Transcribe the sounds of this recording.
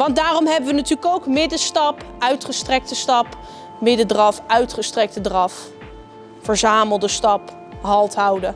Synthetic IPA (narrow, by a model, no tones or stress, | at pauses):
ʋɑnd̚daːrɔmɦɛbəʋənatyːləkowkmɪdəstɑp | œɥtχəstrɛk̚təstɑp | mɪdədrɑfœɥtχəstrɛk̚tədrɑf | fəɹzaːməlˠdəstɑp | ɦɑlˠtɦʌwdə